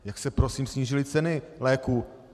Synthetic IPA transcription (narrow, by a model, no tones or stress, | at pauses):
jaksɛpɾosiːmsɲiːʒɪlɪt͡sɛnɪlɛːku